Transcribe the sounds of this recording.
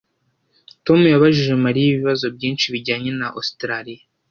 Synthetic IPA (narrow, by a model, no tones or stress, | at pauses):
to̞mujaβaʒiʒemaɾijiβiβazo̞b̚ɟiːnʃiβiɟaːɲe̞naʔostɾaɾija